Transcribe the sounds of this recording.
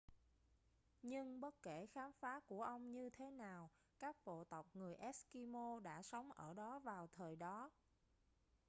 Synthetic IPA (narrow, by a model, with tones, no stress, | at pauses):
ɲɨ˧ŋɓə˦˥t̚ke˧˩xaː˨˦mfaː˨˦ku˧˩əʔə˧wŋ͡mɲɨ˧t̪ʰe˨˦naː˨˩w | kaː˦˥k̚ɓo̰˧˨t̪ə˨˩wk͡p̚ŋɨ˨˩əjʔɛ˦˥ski˧mo˧ɗa̰ː˧˥˩sə˨˦wŋ͡mʔəː˧˩ɗɔ˨˦vaː˨˩wt̪ʰəː˨˩jɗɔ˨˦